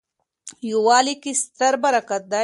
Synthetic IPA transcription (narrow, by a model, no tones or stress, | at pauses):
juwɑːlikist̪ɐɾbɐɾakat̪̚d̪a